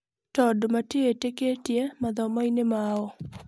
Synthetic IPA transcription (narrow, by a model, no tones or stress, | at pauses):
tɔdmateeteketjemad̪ɔmɔjnemaɔ